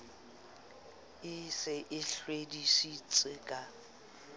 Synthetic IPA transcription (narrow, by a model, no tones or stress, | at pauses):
ɪsɪʔɪɬwedisit͡sʼɪkʼa